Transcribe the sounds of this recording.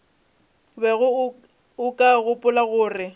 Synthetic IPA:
bɛɣʊ | ʊkʼaɣʊpʼʊlaɣʊːrɪ

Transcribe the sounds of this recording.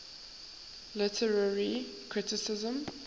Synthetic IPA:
lɪtʰəɹəɹikʰɹɪtɪsɪzə̃m

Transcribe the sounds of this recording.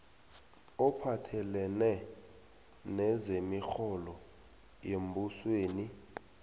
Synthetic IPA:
ɔpʰatʰɛlɛnɛ | nɛzemixɔlɔ | jembʱusweːni

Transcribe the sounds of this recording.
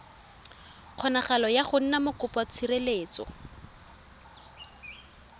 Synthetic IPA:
q͡χʰɔnaχalɔjaχʊn̩namʊkʊpɔt͡sʰireleːt͡sɔ̰

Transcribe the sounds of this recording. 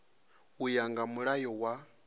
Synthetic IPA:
ujaŋɡamuɺajɔwa

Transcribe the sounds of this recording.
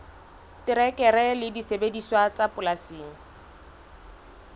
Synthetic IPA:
tɪɾɛkʼɛɾɛlɪdisebediswat͡sapʼʊlasiːŋ̩

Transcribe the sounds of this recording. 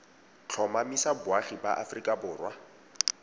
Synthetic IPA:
t͡ɬʰɔmamisabʊaχiba̰ʔafrikʼabʊːrwa

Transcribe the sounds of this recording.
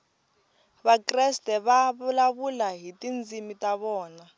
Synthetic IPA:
βakrɛstʼɛβaβulaβulaɦitʼind͡zimitʼaβɔːna

